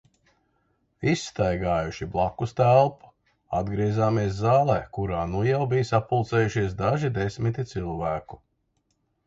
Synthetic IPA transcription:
isːt̪ajɡaːjuʃiblˠakːust̪ælˠpu̥ | ad̪ɡɾiɛzaːmiɛs̬zaːlˠɛːkuɾaːnujawbijsapːulˠt̪sɛːjuʃiɛs̬d̪aʒid̪esmit̪it̪silˠvæːku̥

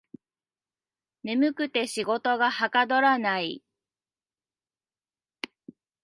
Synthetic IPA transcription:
me̞mɯ̟kɯ̟t̪e̞ɕiɡo̞t̪o̞ɡahakad̪o̞ɾanai

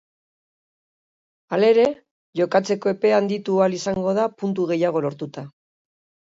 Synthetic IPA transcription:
ale̞ɾe̞ | ʝo̞kat͡se̞ko̞e̞pe̞and̪it̪ualisaŋɡo̞ð̞apunt̪̬uɣ̞e̞jaɣ̞o̞lo̞ɾt̪ut̪a

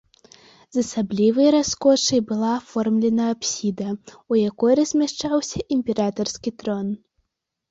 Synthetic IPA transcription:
zɐsablʲivɨjɾaskɔʂɐjbɨlˠaːfɔrmlʲɛnɐːpsʲid̪ɐ | ujakɔjɾɐzʲmʲaʂt͡ʂawsʲɐʔimʲpʲɛɾat̪ɐrskʲit̪ɾɔn

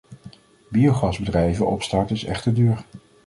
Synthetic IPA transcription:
biowχɑzbədrɛjvənʔɔ̰pstɑɹtɪsɛ̰χtədyːɹ

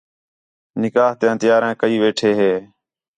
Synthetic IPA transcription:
nɪkaːɦt̪ẽːt̪ɪjaːɾẽːkəiːʋeːʈʰeːɦeː

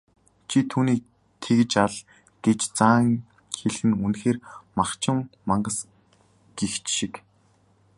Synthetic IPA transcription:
t͡ɕʰit̪ʰuːniːk̚ | t̪ʰeɣɘ̆t͡ɕaɮ | ɡ̥et͡ɕt͡saːŋ | xeɮxɘ̆nunxeːrmaχt͡ɕɪ̆ŋmaɴɢə̆s | ɡ̥ixt͡ɕʃik

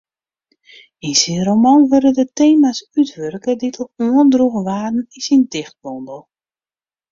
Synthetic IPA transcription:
insiromɔnʋøɾədəteːmasytʋørkəditʰəuəndruɣəʋaːdn̩ɪsindɪxt̚bɔndəlˠ

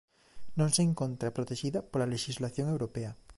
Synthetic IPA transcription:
nõŋseːŋkõnt̪ɾapɾot̪eʃiðapolaleʃizlaθjoŋewɾopea

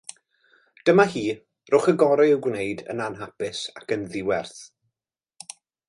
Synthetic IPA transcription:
d̥əmahiː | rʊχəɡɔɾɪɪwɡneɨdə̰nanɦapɪsa̰kənðɪwɛrθ

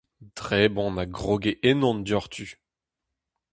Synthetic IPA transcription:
d̥ʁeːbɔ̃naɡʁoɡeʔenɔ̃nd̪ɔʁt̪ʰy

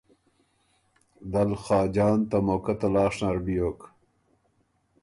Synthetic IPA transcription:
d̪ɐlxɑːd͡ʑɑːnt̪ɐmoːkɐt̪ɐlɑːʂnaɾbijoːk

